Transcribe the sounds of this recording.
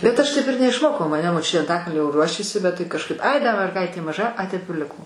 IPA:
bʲɛt ˈɐʃ ˈtɐɪp ɪr nʲɛɪʃˈmoːkɐʊ mɐˈnʲɛ moːˈt͡ʃʲʊtʲeː ɐnˈtɑːkɐlʲnʲoː ˈruɔʃʲeːsʲɪ bʲɛt ˈtɐɪ kɐʃˈkɐɪp ˈɐɪ dɐ mʲɛrˈɡɐɪtʲeː mɐˈʒɐ ˈɐɪ ˈtɐɪp ɪr ˈlʲɪkoː

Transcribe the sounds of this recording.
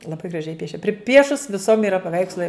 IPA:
lˠɐˈbɐɪ ɡrɐˈʒʲɛɪ ˈpʲiɛʃʲɛ pʲrʲɪˈpʲiɛʃʊs ʋʲɪˈsoːm iːˈrɐ pɐˈʋʲɛɪkslˠɐɪ

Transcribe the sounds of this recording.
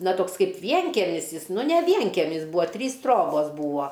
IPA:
nɐ ˈtoːks ˈkɐɪp ˈʋʲiɛŋʲkʲɛmʲɪs ˈjɪs ˈnʊ nʲɛ ˈʋʲiɛŋʲkʲɛmʲɪs ˈbuːɐ ˈtʲrʲiːs ˈtroːboːs ˈbuːɐ

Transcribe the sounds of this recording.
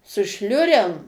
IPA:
sʊ ˈʃʲlʲʊrʲɛm

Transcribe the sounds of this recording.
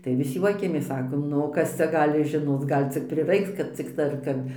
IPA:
tɐɪ ʋʲɪs ˈjuɔkʲɛmʲeːs ˈsɑːkoːm ˈnʊ oː ˈkɐs t͡sʲɛ ˈɡɑːlʲɪ ʒʲɪˈnoːt͡s ˈɡɐlʲ t͡sʲɪk pʲrʲɪˈrɐɪks kɐt ˈt͡sʲɪktɐɪ ɐr ˈkɐp

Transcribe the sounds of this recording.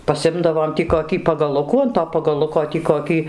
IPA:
pɐˈsʲɪmdɐʋoːm tʲiː koːˈkʲiː pɐɡɐˈlˠʊkuː ɐn toː pɐɡɐˈlˠʊkoː tʲiː koːˈkʲiː

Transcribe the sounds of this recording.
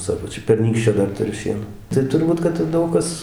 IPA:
ˈsɑːkoː ˈt͡ʃʲɛ pʲɛrʲˈnʲiːkʃʲt͡ʃʲoː ˈdɐr tʊˈrʲʊ ˈʃʲiɛnoː tɐɪ tʊrˈbuːt kɐt ˈdɐʊk kɐs

